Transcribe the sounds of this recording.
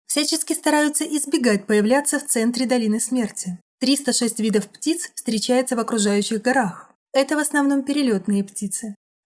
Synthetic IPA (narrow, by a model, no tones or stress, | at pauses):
fsʲæt͡ɕɪskʲɪst̪ɐɾajʊt̪səʔɪzbʲɪɡat̚ʲpəjɪvlʲat̪sːəft̪sɛnt̪ɾʲɪd̪ɐlʲinɨsmʲertʲɪt̪ɾʲist̪əʂɛsʲtʲvʲid̪əfptʲit̪sfst̪ɾʲɪt͡ɕæjɪt̪səvɐkɾʊʐajʉɕːɪɣɡɐɾax | ɛt̪əvəsnɐvno̞mpʲɪɾʲɪlʲo̞t̪nɨjəptʲit̪sɨ